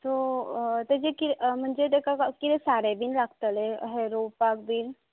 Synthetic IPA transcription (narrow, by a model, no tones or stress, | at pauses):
t̪ot̪ɛd͡ʑekim̤əɳd͡zeʈ̪ekakakit̪ẽsaɽebiːnlaɡt̪əleɦeɾowpak̚biːn